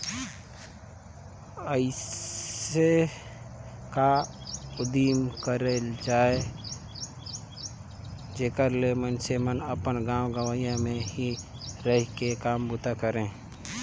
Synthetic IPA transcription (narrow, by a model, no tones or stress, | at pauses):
əɪ | e | kaʊd̪iːmkəɾeld͡ʒaːe | d͡ʒeːkəɾlemənsemənəpənɡãːwɡəʋajãmẽɦiɾəɦikekaːmbʊt̪ʰakəɾẽː